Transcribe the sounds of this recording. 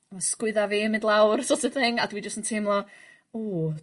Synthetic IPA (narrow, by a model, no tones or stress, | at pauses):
mɔsskwɨðaviːmɪ̃ndlˠawrsɔtəθɪŋadwid͡ʒəstəntʰimlˠɔ | ɔː